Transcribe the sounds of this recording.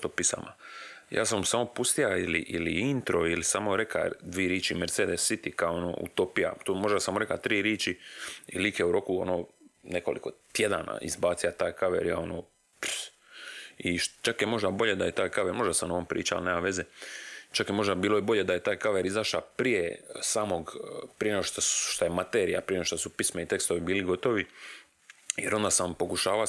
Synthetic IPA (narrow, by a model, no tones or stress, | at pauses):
t̪opisa̰ma̰jʔa̰ːs̬amsamo̞pust̪ijailḭʔḭlḭint̪ɾo̞ilisaːmo̞ɾe̞ka̰d̪ʋiːɾjiːt͡ʃimeɾt̪seːd̪esːit̪ikaoono̰ṵt̪opija̰t̪omo̞ʒd̪asaːmoɾe̞kat̪ɾiːɾeːt͡ʃiilikjeuɾo̞kuo̞̰noːne̞ko̞lḭko̞t̪je̞d̪a̰na̰ḭzbaːt̪sijat̪aːjkaʋḛɾjaːonoː | p | iʃt͡ʃakjemo̞ʒd̪abo̞ʎed̪aje̞t̪aːjkaʋeɾmo̞ʒd̪asamnoʋompɾḭːt͡ʃa̰l̰neːmaʋe̞zet͡ʃakjemo̞ʒd̪abiːlˠo̞jebo̞ʎe̞d̪aje̞t̪aːjkaʋeɾizaʃapɾije̞saːmo̞ɡpɾijeneɡoʃt̪aʃt̪ajemat̪eːɾijapɾijeneoʃt̪osupismeit̪e̞kst̪oʋibiːliɡo̞t̪o̞ʋi | jeɾo̞nd̪asampo̞kuʃaːʋa